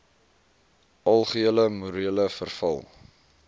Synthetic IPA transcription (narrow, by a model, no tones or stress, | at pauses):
ɐlˠχiələmuɾiələfərfɐ̰lˠ